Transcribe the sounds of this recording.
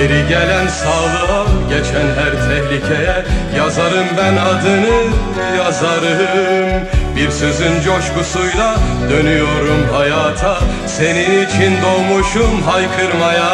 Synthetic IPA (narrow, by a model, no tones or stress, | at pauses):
eɾiɟelʲænsaːlˠɯaɟet͡ʃʰænɦæɾt̪ʰɛhlʲicʰejɛ | jazaɾɯmbænad̪ɯnɯ | jazaɾɯmbiɾsøzynd͡ʒoʃkusujlˠa | d̪ø̞nyjo̞ɾumɦajaːt̪ʰa | se̞ninit͡ʃʰind̪o̞ːmuʃumɦajkʰɯɾmaja